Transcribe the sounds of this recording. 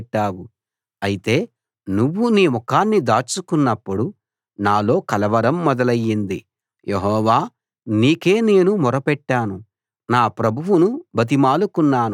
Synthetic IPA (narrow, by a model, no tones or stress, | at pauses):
ʈːaːwu | ɐjit̪e̞ː | nuʋːuniːmɔkaːnːid̪aːt͡ʃukunːɐpːuɽu | naːlo̞ːkɐlɐʋɐɾɐmːɔd̪ɐlɐjːind̪ḭ | jʔeɦɔːʋaː | niːke̞ːne̞ːnumɔɾɐpɛʈːaːnu | naːpɾɐbʱuwunubɐt̪̬imaːlukunːaːnu